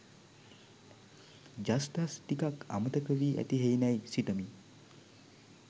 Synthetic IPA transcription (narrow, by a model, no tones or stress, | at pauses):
d͡ʒast̪asʈ̪ikaka̰mət̪əkəʋiːʔæ̰t̪iɦejnajsiʈəmi